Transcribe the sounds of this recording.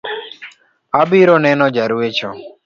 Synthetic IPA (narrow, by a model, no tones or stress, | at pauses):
abiːɾoːnɛːnɔ̃ːd͡ʒəɾuːet͡ʃʰoː